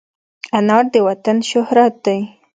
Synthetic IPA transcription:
anɑɾd̪əwat̪anʃʊhɾat̪̚d̪aj

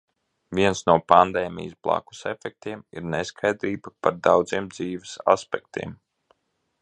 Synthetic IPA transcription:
viɛnsnuɔpand̪ɛːmʲḭjsblˠa̰ku̥sɛfɛk̚t̪iɛmḭɾneskʰajd̪ɾiːbapaɾd̪awd̪ziːmd̪ziːʋesa̰spɛk̚t̪ḭːm

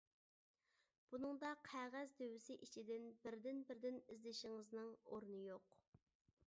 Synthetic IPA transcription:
b̥unɨŋd̪ɑqʰæʁæzd̪øwɪsɪʔit͡ʃʰid̪ɪnbɪɾd̪ɪnbɪɾd̪ɪnizlɪʃɪŋɨznɨŋoɾnɨjoq

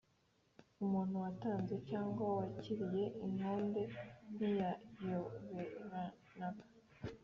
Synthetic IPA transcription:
umuːn̥huwataːnze̞caːŋɡwawaciɾije̞ʔinoːnbe̞nijajoβeɾa | nakḁ

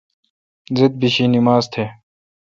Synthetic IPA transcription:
zid̪̚biɕinimaːzt̪ʰeː

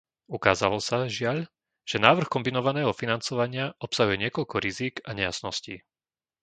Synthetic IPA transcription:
ukaːza̰lɔsaʒɪaʎ | ʒ̥ɛnaːʋr̩xkɔmbinɔʋanɛːɦɔfinant͡sɔʋaɲɪaʔɔpsaɦujɛɲɪɛkɔʎkɔɾiziːɡaɲɛjasnɔsciː

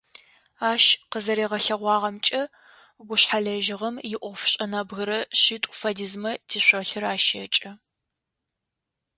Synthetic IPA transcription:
aːʃqəzɐɾeːʁɐɬɐʁʷɑːʁɐmt͡ʃʼɐ | ɡʷʊɕħaɮɐʒɪʁɐmjɪʔʷɔfɕʼɐnɐbɣɨɾɐɕitʼʊ̥fɐdizmɐtʰiːɕʷoɬɨraːʃɐt͡ʃʼɐ

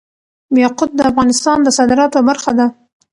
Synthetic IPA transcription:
beqʊd̪̚d̪əafɣɑnɪst̪ɑnd̪əsɑd̪ɪɾɑt̪obaɾxad̪a

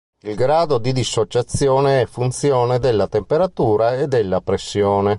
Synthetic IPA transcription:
ilɡɾaːd̪od̪id̪isːot͡ʃat̪sːjoːneɛfːunt̪sjoːned̪elːat̪empeɾat̪uːɾaed̪ːelːapɾesːjoːne

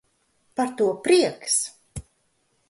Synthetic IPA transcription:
paɾt̪uɔpɾiɛks

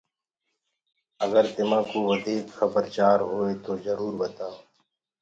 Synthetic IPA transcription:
əɡəɾt̪ɪmãːkoʋəd̪ʱiːkxɐbəɾt͡ʃaːɾɦoːet̪oːzəɾuːɾbət̪aːoː

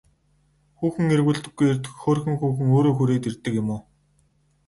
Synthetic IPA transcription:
xuːxɘ̆ŋerɣuːɮt̪ɘ̆ɡːujert̪ɘ̥̆xxoːrxɘ̆ŋxuːxɘ̆ŋoːɾoːxuɾeːt̪ert̪ːɘ̆kjʊmʊː

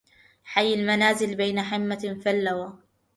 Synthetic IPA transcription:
ħajːalmanaːzɪlbajnaħɪmːafalːawaː

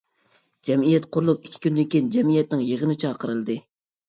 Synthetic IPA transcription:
d͡ʒɛmijɛt̪qʰʊɾlˠupikʲʰːi̥kʲynd̪ekʲind͡ʒɛmijɛt̪nɪŋjəʁənɨt͡ʃʰɑːqəɾɨlˠɨd̪ɨ

